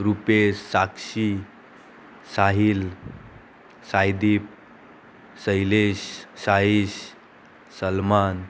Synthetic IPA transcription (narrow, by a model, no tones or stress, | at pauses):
ɾupesːakɕi | saɦil | sajd̪ip̚ | səjleɕsaiɕ | səlman